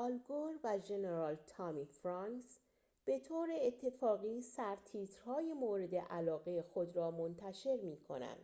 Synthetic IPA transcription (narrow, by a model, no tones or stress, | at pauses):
ʔɒlɡoɾvæd͡ʒe̞neɾɒːlt̪ʰɒːmifɾɒŋks | b̥e̞t̪ʰoːɾeːt̪ʰːe̞fɒːɣiːsæɾt̪ʰiːt̪ʰɾ̥hɒːjemoːɾe̞d̪ḛʔælɒːɣe̞jexo̞d̪ɾɒːmont̪ʰæʃe̞ɾmiːkʰo̞̰næ̰nd̪̥